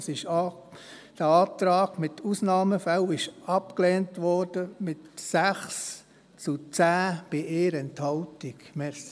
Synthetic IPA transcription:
sɪʃɑ | d̥əɑːt̪ɾɑːɡ̥mɪtusnɑːməfælɪʃɑpkleːntʋɔɾd̥əmɪtsæχs | t͡sut͡sæːb̥ɪʔeːɾɛnthɑltiɡmɛs

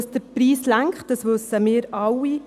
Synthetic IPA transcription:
sd̥̪əɾpɾiːslæŋkχt̚d̥ɑsʋɵsəmɪːəɾɑwi

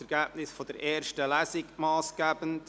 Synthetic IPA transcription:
ɛɾɡ̥æb̥̚nɪsfɔd̥̪ɛɾʔɛːɾʃtəlæsɪɡmɑːsɡ̥æːb̥ənt

